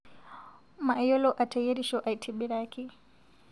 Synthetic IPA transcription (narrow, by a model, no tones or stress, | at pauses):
maʔjɔlɔʔatʰajɛɾiʃɔʔajtʰiɓiɾaki